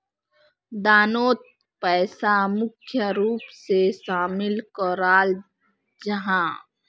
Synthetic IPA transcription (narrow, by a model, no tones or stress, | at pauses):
d̪aːnoːt̪̚ | pɛːsamʊkʰjəɾuːpseʃaːmɪlkɔɾaːl | d͡ʒəɦãː